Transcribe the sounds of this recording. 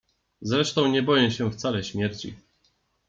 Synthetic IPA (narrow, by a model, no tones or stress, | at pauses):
zɾɛʂt̪ɔ̃w̃ɲɛbɔjɛ̃ɕɛft̪salɛɕmʲjɛɾt͡ɕḭ